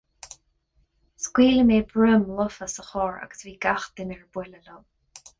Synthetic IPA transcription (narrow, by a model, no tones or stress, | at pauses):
skwiːləmeːbɹʊmlʊfəsəxɔːɹa̰ɡ̥ə̥sviːɡaxt̪ɪnɛɹbwɛləlɔl